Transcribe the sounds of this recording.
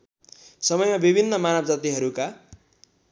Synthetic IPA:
sʌmʌjmabibʱinːʌmanʌb̚d͡zat̪iɦʌɾuka

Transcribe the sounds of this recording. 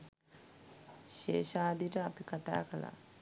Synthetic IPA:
ʃḛːʃaːd̪iʈɐːpikɐt̪a̰ːkɐla̰

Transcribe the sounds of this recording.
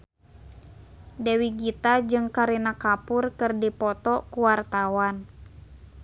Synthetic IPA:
dɛwiɡit̪ad͡ʒɨŋkaɾinakapʊrkɨrdipɔt̪ɔkuwart̪awan

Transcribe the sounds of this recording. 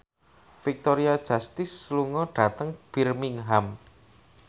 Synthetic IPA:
fik̚t̪oɾiad̥ʒ̥a̤st̪ɪsːluŋɔɖ̥a̤t̪əŋb̥irmɪŋɦam

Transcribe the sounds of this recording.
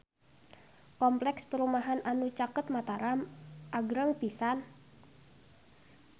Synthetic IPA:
kɔmplɛkspəɾumaɦanʔanut͡ʃakət̪̚mat̪aɾamʔaɡɾəŋpisan

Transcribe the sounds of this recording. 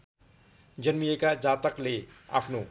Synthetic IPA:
d͡ʒənmijekad͡ʒaːt̪əkleːa̰pʰnoː

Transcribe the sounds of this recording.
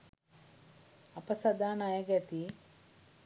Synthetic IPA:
ɐpəsɐd̪aːnajəɡɛt̪i

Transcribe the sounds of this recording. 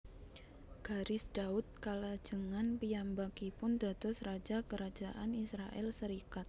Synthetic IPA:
ɡ̥aɾɪsdaʊt̪̚kalad͡ʒəŋanpiambakipʊnd̪a̤t̪ɔsrad͡ʒakəɾad͡ʒaʔanisɾaʔɛ̰lsəɾikat̪̚

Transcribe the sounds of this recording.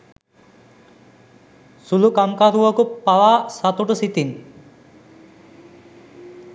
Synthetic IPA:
sulukamkaɾuʋakupawasat̪uʈəsit̪in

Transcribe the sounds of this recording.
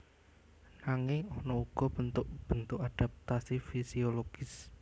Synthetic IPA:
naŋɪŋɔnɔuɡ̥ɔ̤bənt̪ʊʔb̥ənt̪ʊʔkad̥a̤p̚t̪asifisioloɡ̥ɪs

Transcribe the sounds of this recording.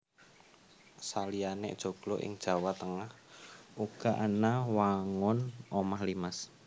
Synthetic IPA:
salianɛ̰ʔd̥ʒ̥o̤ɡ̥lɔʔɪ̰ŋd̥ʒ̥a̤wat̪əŋah | uɡ̥a̤ʔanawaŋʊnʔɔmahlimas

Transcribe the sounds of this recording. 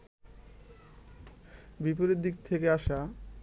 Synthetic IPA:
bipoɾeɾd̪ik̚t̪ʰekeaʃa

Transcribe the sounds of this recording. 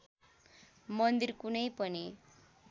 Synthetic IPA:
mʌnd̪irkunʌjpʌni

